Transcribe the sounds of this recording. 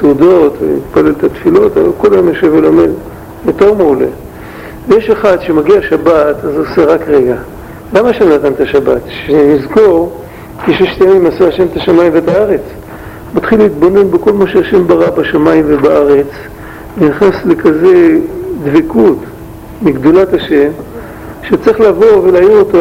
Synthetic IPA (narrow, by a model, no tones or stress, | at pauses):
sudo̞tvḛmit̪pale̞lt̪at̪filo̞t̪ava̰lko̞lajomjaʃevelo̞me̞d | bet̪o̞ʁmaule̞̰ | vjeʃeχad̪ʃemaɡiaʃabat̪azoseʁakʁeɡa | lamaʃemnat̪ant̪aʃabat̪ʃenizɡo̞ʁ | keʃjeʃt̪aemimasaaʃe̞mt̪aʃamaimvet̪aaʁe̞t͡s | mat̪χileit̪bo̞ne̞nbeko̞lmaʃeaʃe̞mbaʁabaʃamaimvebaʔaʁe̞t͡s | veniχnasle̞kaze̞dvekut | miɡd̪olataʃe̞m | ʃet͡siχlavo̞velaːjonoto